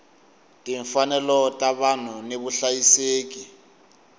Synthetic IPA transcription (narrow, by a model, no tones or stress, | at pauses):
tʼiɱfanɛlɔtʼaɓan̤uneɓuɬajiseːk̬ʼi